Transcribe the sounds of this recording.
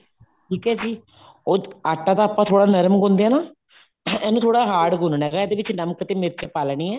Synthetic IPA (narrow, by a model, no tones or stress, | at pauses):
ʈʰiːkɛːd͡ʒiː | oːaːʈːãːt̪aːpãːt̪ʰoːɽaːnəɾmɡõnd̪eãːnaː | ɛːnũːt̪ʰoːɽaːɦaːɽɡʊnnɛːɡaːɛːd̪eːʋɪt͡ʃnəmkt̪eːmɪɾt͡ʃapaːlɳiːɛː